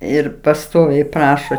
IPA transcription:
ˈɪr pɐˈstoːʋʲɛɪ ˈprɑːʃoː

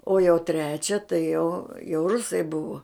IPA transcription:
oː jɛʊ ˈtʲrʲæːt͡ʃʲɛ tɐɪ jɛʊ jɛʊ ˈrʊsɐɪ ˈbʊʋoː

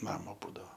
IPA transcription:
ˈnɑːmoː ˈbuːdɐʋoː

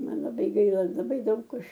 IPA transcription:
ˈmɐn lˠɐˈbɐɪ ˈɡɐɪlˠɐ lˠɐˈbɐɪ ˈdɐʊk ˈɐʃ

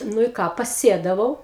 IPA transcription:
ˈnʊ ɪ ˈkɑː pɐˈsʲeːdɐʋɐʊ

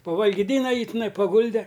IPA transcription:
pɐʋɐlʲɡʲiːˈdʲiːnɐ ˈjiː tʲɪˈnɐɪ pɐˈɡʊlʲdʲɛ

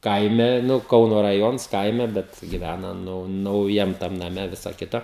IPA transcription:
ˈkɐɪmʲɛ ˈnʊ ˈkɐʊnoː rɐˈjoːns ˈkɐɪmʲɛ ˈbʲɛt ɡʲɪˈʋʲænɐ ˈnʊ nɐʊˈjɛm tɐm nɐˈmʲɛ ˈʋʲɪsɐ ˈkʲɪtɐ

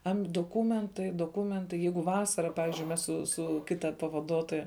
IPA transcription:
ɐmʲ doːˈkuːmʲɛntɐɪ doːˈkuːmʲɛntɐɪ ˈjɛɪɡʊ ˈʋɑːsɐrɐ ˈpɑːʋʲɪzʲd͡ʒʲʊɪ ˈmʲɛs sʊ ˈsʊ ˈkʲɪtɐ pɐʋɐˈduɔtoːjɛ

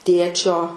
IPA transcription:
ˈtʲeːt͡ʃʲoː

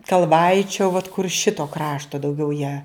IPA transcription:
kɐlˠˈʋɐɪt͡ʃʲoː ʋɐt kʊr ˈʃʲɪtoː ˈkrɑːʃtoː dɐʊˈɡʲɛʊ jæː

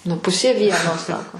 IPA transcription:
nʊ ˈpʊsʲeː ˈʋʲiɛnoː ˈsɑːkoː

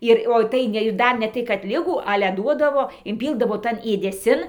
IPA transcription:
ˈɪr oː ˈtɐɪ nʲɛ ɪr ˈdɐr nʲɛ ˈtɐɪ kɐt ˈlʲɪɡuː ˈɑːlʲɛ ˈduɔdɐʋoː ɪnʲˈpʲiːlˠdɐʋoː ˈtɐn eːdʲɛˈsʲɪn

